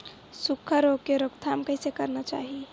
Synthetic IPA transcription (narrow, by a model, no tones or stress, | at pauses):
sukʰːəɾokeɾokt̪ʰamkəjsekəɾnət͡ʃa̰ɦi